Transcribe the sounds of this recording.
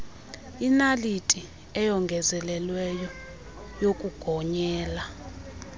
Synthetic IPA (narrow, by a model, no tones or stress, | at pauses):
inalitʼi | ɛjɔŋɡʱɛzɛlɛlwɛjɔ | jokʼuɡ̥ʱɔɲɛːla